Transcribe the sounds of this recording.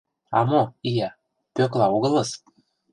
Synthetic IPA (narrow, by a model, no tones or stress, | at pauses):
ɑ̰moijæ | pøklɑoɣɤ̆lɤ̆s